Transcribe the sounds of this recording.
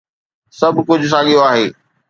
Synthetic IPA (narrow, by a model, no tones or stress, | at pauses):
sɐbʱkʊd͡ʑʱʊs̬aːɠijoaːɦeː